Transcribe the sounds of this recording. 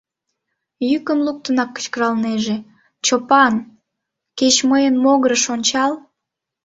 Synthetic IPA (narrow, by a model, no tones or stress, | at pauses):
jykəmluk̚t̪ənɑkːə̥t͡ɕkəɾɑlneʒe | t͡ɕopɑn | ket͡ɕməjənmoɣəɾəʃonʲt͡ɕɑl